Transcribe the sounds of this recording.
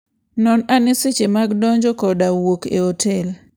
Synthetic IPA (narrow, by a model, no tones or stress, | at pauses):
nɔnanɪsɪt͡ʃemaɡdɔɲd͡ʒɔkɔdawokḛotʰɛl